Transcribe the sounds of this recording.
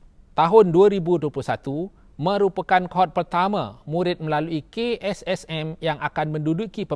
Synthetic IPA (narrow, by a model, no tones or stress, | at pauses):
t̪aɦʊnduaɾibuduəpluhsat̪u | mə̃ɾupakankɦɔt̪̚pərt̪amã̰muɾɪt̪̚məlaluikeɛsɛsɛmjaŋakanmə̃ndudukipə